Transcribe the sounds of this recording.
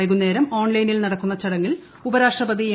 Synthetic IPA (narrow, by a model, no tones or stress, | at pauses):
ɐɣunːe̞ːɾɐmo̞ːɳlɐjnilnɐɽɐkːunːɐt͡ɕɐɽɐŋːil | ubɐɾaːʂʈrɐbɐd̪ie